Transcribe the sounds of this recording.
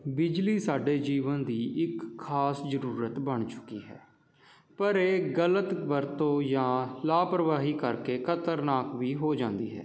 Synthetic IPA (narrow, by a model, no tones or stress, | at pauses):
bɪd͡ʒliːsaːɖeːd͡ʒiːʋənd̪iːʔɪkʰːaːsd͡ʒəɾuːɾət̪bəɳt͡ʃʊ̥kḭːɦɛ̰ː | pəɾeːɡələt̪ʋəɾt̪õːjãːlaːpɾəʋaːɦiːkəɾkeːkʰət̪əɾnaːkʋiːɦoːd͡ʒãːnd̪ḭːɦɛ̰ː